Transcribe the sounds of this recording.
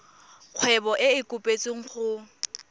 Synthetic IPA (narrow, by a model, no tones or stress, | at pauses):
q͡χʰwɛbɔʔɪɪkʼʊpʼet͡sʼiŋ̩χʊ